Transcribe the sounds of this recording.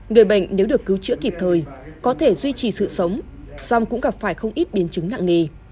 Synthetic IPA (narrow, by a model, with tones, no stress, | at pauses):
ŋɨ˨˩əjɓa˧˩jŋ̟ne˨˦wɗɨ˨˩əkːɨ˨˦wt͡ɕɨ̰˧˥əki˨˩p̚t̪ʰəː˨˩jkɔ˨˦t̪ʰe˧˩zwi˧t͡ɕi˨˩sɨ̰˧˨sə˨˦wŋ͡m | sa˧wŋ͡mkʊ̰˧˥ŋ͡mɣaː˨˩p̚faː˧˩jxə˧wŋ͡mʔi˦˥t̚ɓi˨˦ənt͡ɕɨ˨˦ŋna̰ː˧˨ŋe˨˩